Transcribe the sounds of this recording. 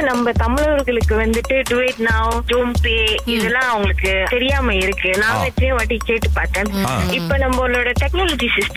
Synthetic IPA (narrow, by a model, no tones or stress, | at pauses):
nɐmbɐt̪ɐmɪɭɐʋɐɾɣɐɭɯkːɯʋɐnd̪ɯʈːɯɖʊʋeɪʈnaːd͡ʒuːmpeːɪðɛlːãːɐʋɐŋɡɐɭɯkːɯt̪ɛɾɪjaːmɐɪɾɯkːɯnãːʋɛʈːɾɐjẽʋaʈːikːeːʈːɯpaːɾt̪ẽːɪpːoːnɐmbɐʊlːoːɽɐʈ̪ɛknoːlɐːd͡ʒisɪsʈɐ